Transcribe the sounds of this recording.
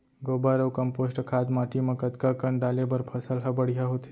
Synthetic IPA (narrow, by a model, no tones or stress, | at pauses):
ɡobaɾəʋkəmposʈkʰad̪maʈimãkət̪kakəɳɖalebəɾpʰəsəlɦəbəɽjaɦot̪ʰe̥